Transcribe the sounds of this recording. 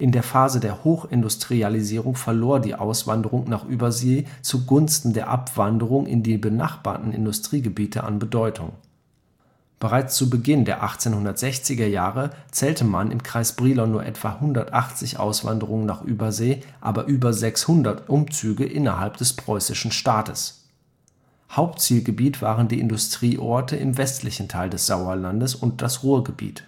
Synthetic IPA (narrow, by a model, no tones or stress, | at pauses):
ʔɪndeːɐfaːzədeːɐhoːxɪndʊstʁ̥ializiːʁʊŋfɛɐloːɐdḭːʔa̰ʊsv̥a̰ndəʁʊŋnaːχʔyːbɐzeːt͡suɡʊnstn̩deːɐʔa̰pv̥andəʁʊŋʔɪ̰ndiːbəna̰χb̥a̰ːɐtn̩ɪ̰ndʊstʁ̥iːɡəbiːtʰəʔa̰nbədɔʏtʰʊ̰ŋ | b̥əʁaɪt͡st͡subəɡɪndeːɐʔaχt͡seːnhʊndɐtz̥ɛçt͡sɪɡɐjaːʁət͡sɛːltəmanʔɪ̰mkʁ̥aɪsb̥ʁiːlɔnːuːɐʔɛ̰tv̥ahʊndɐtʔaχt͡sɪçʔa̰ʊsv̥a̰ndəʁʊŋənaːχʔyːbɐzeːʔa̰ːbɐʔyːbɐzɛkshʊndɐtʔʊmt͡syːɡəʔɪnɐhalpd̥ɛspʁ̥ɔʏsɪʃn̩ʃtaːtəs | haʊp̚tt͡siːlɡəbiːtv̥aːʁəndiːʔɪ̰ndʊstʁ̥iːʔɔɐtəʔɪmvɛstʰlɪçn̩tʰaɪldɛsz̥aʊɐlandəsʊnt̚d̥asʁuːɐɡəbḭːt